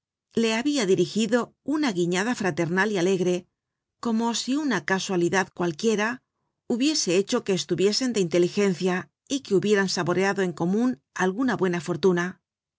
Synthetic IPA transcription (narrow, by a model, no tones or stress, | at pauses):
le̞aβiaðiɾixiðo̞unaɣiɲaðafɾat̪e̞ɾnaliale̞ɣɾe̞ | ko̞mo̞siunakaswaliðaðkwalkje̞ɾa | uβje̞se̞e̞t͡ʃo̞ke̞ːst̪uβje̞se̞nd̪eint̪e̞lixe̞n̟θja | ike̞uβjeɾansaβo̞ɾeaðo̞e̞ŋko̞mũnalɣunaβwe̞nafo̞ɾt̪una